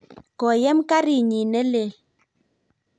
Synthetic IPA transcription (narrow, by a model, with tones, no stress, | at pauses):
kɔ˨jɛ˦mka˦ɾi˨ɲi˨nɛ˦le˨